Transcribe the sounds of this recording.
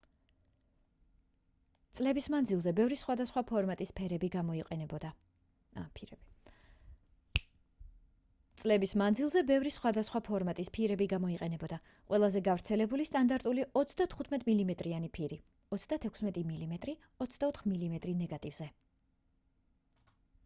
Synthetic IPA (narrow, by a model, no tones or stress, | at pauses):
t̪sʼlɛbismand̪zilˠzɛbɛvɾisχwad̪asχwapʰɔɾmat̪ʼispʰɛɾɛbiɡamɔiqʼɛɛbɔa | pʰɛb | t̪sʼlɛbismanzilˠzɛbɛvɾisχwad̪asχwapʰɔɾmat̪ʼispʰiɾɛbiɡamɔiqʼɛnɛbɔd̪a | qʼwɛlˠazɛɡavɾt̪sʰɛlɛbulist̪ʼand̪aɾt̪ʼuliʔɔt̪sʰd̪at̪ʰχut̪ʰmɛt̪ʼmilimɛt̪ʼɾianipʰiɾi | ɔt̪sʰd̪at̪ʰɛkʰsmɛt̪ʼimilimɛt̪ʼɾi | ɔt̪sʰd̪aɔt̪ʰχmilimɛt̪ʼɾinɛɡat̪ʼivz̥ɛ